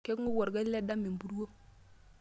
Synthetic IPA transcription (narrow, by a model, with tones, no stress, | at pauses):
ke˦kŋu˦wo˨ɾɡa˦le˦da˦mi˨m˨bu˦ɾwo˦